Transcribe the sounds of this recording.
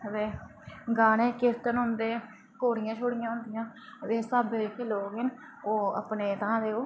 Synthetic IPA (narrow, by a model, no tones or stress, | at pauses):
ʋeːɡaːneːkɪɾt̪ənɦʊ̃nd̪eː | koːɾɪjãːt͡ʃʰoːɽɪjãːɦʊ̃nd̪ɪjãːʋeːsaːbeekeːloːɡɦɪn | oːə̰pneːt̪ãːd̪eːoː